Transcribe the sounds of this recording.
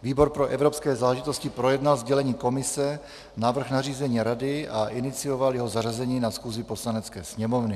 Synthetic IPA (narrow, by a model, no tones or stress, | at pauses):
viːbo̞ɾpɾo̞ʔɛvɾo̞pskɛːzaːlɛʒit̪oscɪpɾo̞jɛdnalzɟɛlɛɲiːko̞mɪsɛ | navr̩xnariːzɛɲiːɾadɪaʔɪnɪt͡sio̞valjɛɦozarazɛɲiːnasxuːzɪpo̞slanɛt͡skɛ̰ːsɲɛmo̞vnɪ